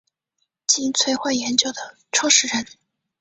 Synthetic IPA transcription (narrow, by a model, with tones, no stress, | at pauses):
t͡ɕi˥nt͡sʰwe˥ɪxwa˥˩ɪjɛ˧˥nt͡ɕjo˨˩ʊd̪ə˩ | ʈ͡ʂʰɑ˥ʂɻ̩˥˩ɻə˧˥˦n